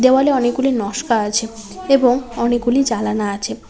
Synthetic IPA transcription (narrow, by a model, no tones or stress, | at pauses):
d̪ewaleɔnek̚ɡulinɔʃkaat͡ɕʰe | eboŋɔnek̚ɡulid͡ʑalanaat͡ɕʰe